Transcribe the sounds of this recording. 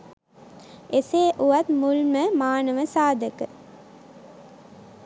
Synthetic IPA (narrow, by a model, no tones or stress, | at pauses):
eseːʔuʋat̪mulməmaːnəʋəsaːd̪əkə